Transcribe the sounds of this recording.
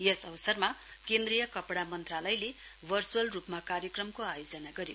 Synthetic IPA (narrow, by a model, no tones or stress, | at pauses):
jʌsʌwsʌrma | kend̪rijʌkʌpɽamʌnt̪ralʌjle | bʱʌrsuwʌlrupmakaɾjʌkrʌmkoajod͡zʌnaɡʌɾi